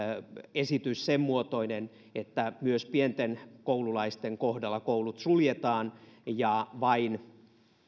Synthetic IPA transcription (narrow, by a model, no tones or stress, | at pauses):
esit̪yssemmuot̪o̞inen | et̪ːæmyøspient̪enkoululɑist̪eŋkohdɑlːɑkoulut̪suljet̪ɑːnjɑʋɑin